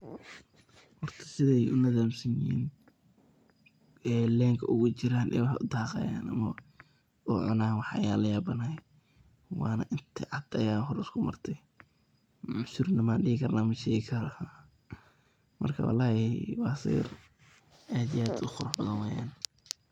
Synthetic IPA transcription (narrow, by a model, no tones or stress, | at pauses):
hɔrt̪ʰɐ̥sɪðɛjʔʊnɐðaːmsɐnɪhḭːn | ɛːlɛːŋkʰɐʔʊɣʊt͡ʃɪɾaːnʔɛ̰ːwɑħɑ̰ʔʊd̪ɑːqɑ̰ja̰ːnʔɐ̰mɐ | ʊʕʊ̰naːnwɑħɐ̰jaːlɐjaːbɐna | wɑːnɐʔɪnt̪ʰɪʕɑd̪ɐjaːnɦɔɾɪskʰʊmɐ̰rt̪ʰɛ | mʕʊsʊrnɐmaːnɖɪɣɪkʰɐrnaːmɐʃɛːɣɪkʰɐɾɐ | mɐ̰rkʰɐ̰wɑ̰lːɑːjɛwɑːsḭːr | ʔaːd̪ɪjaːd̪ʊχʊɾaħbɐðɐnwɛːja̰ːn